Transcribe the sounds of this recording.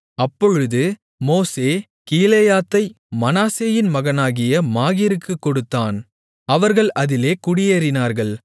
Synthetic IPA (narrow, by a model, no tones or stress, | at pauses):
ɐpːɔɻɯðɯ | moːseː | kiːleːjaːt̪ːɐɪ | mɐnaːseːjɪnmɐɣɐnaːɣɪjɐmaːɣɪɾɯkːɯkːɔɽɯt̪ːaːn | ɐʋɐɾɣɐɭʔɐðɪleːkʊɽɪjɐɾɪnaːɾɣɐɭ